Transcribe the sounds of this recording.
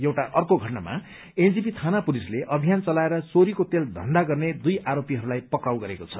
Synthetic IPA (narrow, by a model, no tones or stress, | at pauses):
jewʈaʔʌrkoɡʱʌʈnama̰ | end͡zipit̪ʰanapulisleʔʌbʱijant͡sʌlaeɾʌsoɾikot̪eld̪ʱʌ̰nd̪aɡʌrned̪ujʔaɾopiɦʌɾulajpʌkrawɡʌɾekot͡sʰʌ̥